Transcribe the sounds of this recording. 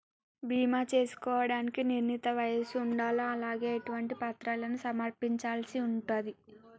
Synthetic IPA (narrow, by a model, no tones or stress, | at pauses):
bʱiːmaːt͡ʃe̞ːsu̥kɔːʋɐɽaːnikiniɾnit̪ɐʋɐjɐsuɳɖaːlɐɐlaːɡe̞ːɐʈuʋɐɳʈipɐt̪ɾaːlɐnusɐmɐɾpiɲt͡ʃaːlsiuɳʈaːd̪i